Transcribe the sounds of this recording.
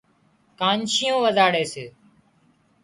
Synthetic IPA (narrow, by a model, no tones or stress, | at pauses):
kaːnʃɪjõːʋəzaːɽeːseː